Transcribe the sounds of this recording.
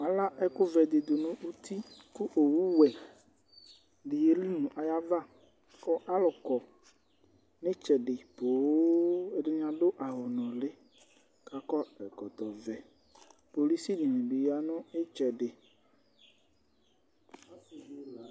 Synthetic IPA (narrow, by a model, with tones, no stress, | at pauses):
a˨la˦ʔɛ˦kʊ˦vɛ˨d̪e˨d̪o˨nʊ̃˦u˦t̪ʰi˦kʊ˦ʔo˨wu˦wɛ˨ | ɖi˨je˦li˦nũ˨ʔa˨ja˦va˦ | kɔ˦ʔa˦lʊ˨kɔ˨ | nɪ̃˦t͡ʃɛ˨ɖɪ˨bo˨˦e˨ɖɪ˦ɲã˨ɖo˦ʔa˨ɦo˨nɔ̃˨lɪ˦ | ka˨kɔ˦ɛ˨kɔ˨t̪ɔ˨vɛ˨ | po˨li˦si˦di˨nẽ˨bi˨ja˨˦nʊ̃˦e˦t͡ʃɛ˨ɖɪ˨